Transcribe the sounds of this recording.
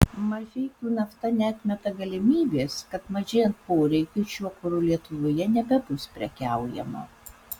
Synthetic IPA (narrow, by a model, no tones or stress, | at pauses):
mɐɾʲfʲɛɪk̪ʲuːnɐft̪ɐnʲɛɐt̪ʲmʲɛt̪ɐɡɐlʲɪmʲiːbʲeːskɐt̪mɐʒʲeːjɛnt̪̚poːɾʲɛɪkʲʊʃʲuɔkʊɾʊlʲiɛt̪ʊʋoːjɛnʲɛbʲɛbʊspʲɾʲɛkʲæˑʊjɛ̰mɐ̰